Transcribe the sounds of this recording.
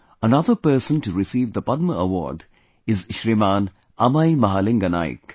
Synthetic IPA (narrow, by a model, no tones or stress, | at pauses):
ənɐðəɾpəːsə̃nʈuɾɪsiːʋd̪əpɐd̪məəʋɔ̰ːɾɖ | ɪzʃɾimaːn | ɐmaimɐɦaːlɪ̃ŋɡɐna̰ːɪ̰k